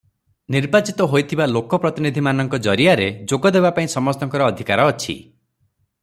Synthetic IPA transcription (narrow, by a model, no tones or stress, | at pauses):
niɾbat͡ʃit̪ɔɦojt̪ʰibalokɔpɾɔt̪inid̪ʱimanɔŋkɔd͡ʒɔɾiaɾed͡ʒoɡɔd̪ebapaĩsɔmɔst̪ɔŋkɔɾɔːd̪ʱikaɾɔːt͡ʃʰḭ